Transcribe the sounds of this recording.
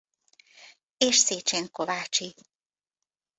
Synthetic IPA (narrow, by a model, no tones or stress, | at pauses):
eːʃseːt͡ʃeːŋkovaːt͡ʃi